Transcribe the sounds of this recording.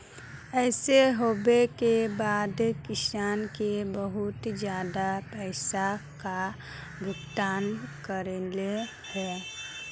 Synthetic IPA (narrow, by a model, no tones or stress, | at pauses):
ɛːseɦoːbekebaːd̪kɪsaːnkebəɦʊt̪d͡ʒjaːd̪apɛːsaka | ɡʱʊɡt̪aːnkəɾele | hɛː